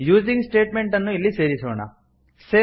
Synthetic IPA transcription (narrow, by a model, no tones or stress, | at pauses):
juːd͡ʒiŋɡsʈeːʈmeɳʈɐnːuilːiseːɾisuʋɐɳa̰ | seː